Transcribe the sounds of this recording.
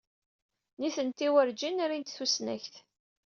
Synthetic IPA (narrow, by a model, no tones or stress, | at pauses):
niθənt̪iwəɾd͡ʒinɾint̪θusnæ̰çθ